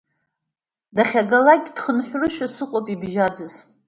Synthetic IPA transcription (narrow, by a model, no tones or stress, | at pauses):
daχʲaɡalakʲʼd̥χənħʷᶣrɨʃᶣasɨqʷʼopʼibʒad͡zɨz